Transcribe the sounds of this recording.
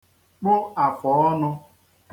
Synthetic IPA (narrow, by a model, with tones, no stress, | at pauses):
k͡pʊ˦a˨fɔ˨ɔ˦nʊ˧